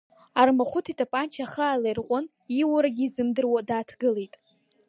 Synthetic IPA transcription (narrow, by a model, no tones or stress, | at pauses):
armaχʷʊtʰitʰʼapʼant͡ʃʰaχaaːlajrqʷʼʊn | iwaɾaɡʲiːzɨmdɨrwadaːtʰɡɨlejtʼ